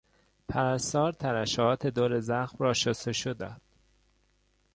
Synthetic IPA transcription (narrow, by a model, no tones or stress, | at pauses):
pʰæɾæst̪ɒːɾt̪ʰæɾæʃɒːt̪ʰe̞d̪oːɾe̞zæxmɾɒːʃoseʃod̪æd̪̥